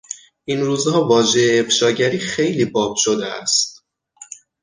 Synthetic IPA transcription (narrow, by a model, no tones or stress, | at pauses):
ʔinɾuːzhɒːvɒːʒejːfʃɒːɟæɾiːxe̞jliːbɒːbʃod̪eæ̰st̪̚